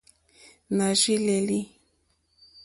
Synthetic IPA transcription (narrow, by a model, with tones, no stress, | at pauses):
na˨ʒi˦le˨li˦